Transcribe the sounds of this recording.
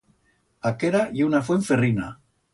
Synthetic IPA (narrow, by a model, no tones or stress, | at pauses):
akeɾajaunafweɱferina̰